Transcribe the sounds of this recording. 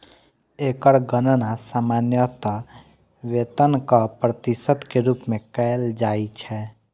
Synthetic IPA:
ekəɾɡənənasamanjət̪ə | ʋet̪ənkəpɾət̪isət̪keɾupmekəeld͡ʒait͡ʃʰɛ

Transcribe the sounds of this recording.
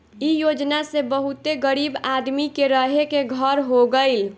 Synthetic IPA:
ijod͡ʒnasebəɦut̪eɡəɾibad̪mikeɾəɦekeɡʱəɾɦoɡəɪl

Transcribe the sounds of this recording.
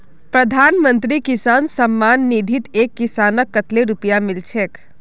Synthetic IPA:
pɾəd̪ʱanmənt̪ɾikisansəmːanːid̪ʱit̪ekːisanəkːət̪leɾupjamilt͡ʃʰek

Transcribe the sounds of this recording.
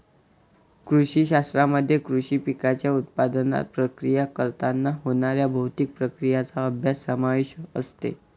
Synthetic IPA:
kɾuɕiːɕast̪ɾaməd̪ʱːjekɾuɕiːpikat͡ɕjaut̪̚pad̪əna̰t̪̚pɾəkɾijakəɾt̪anːaɦoɽ̃aɾjabʱəwt̪iːk̚pɾəkɾijat͡saəbʱjasːəmaʋiɕəə̰st̪ḛ

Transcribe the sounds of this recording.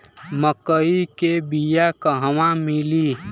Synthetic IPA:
məkəikebijakəɦwãmɪliː

